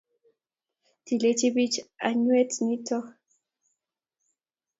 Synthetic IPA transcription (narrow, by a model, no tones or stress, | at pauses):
t̪ilet͡ʃiβit͡ʃa̰ɲwet̪nit̪o